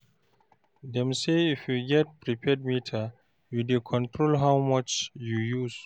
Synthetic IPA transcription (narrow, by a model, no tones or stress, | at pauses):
dɛ̃mseifjuɡɛt̚pɹipʰɛd̚mitʰa | judekʰɔ̃ntʰɹolɦawmʌt͡ʃjujuz̥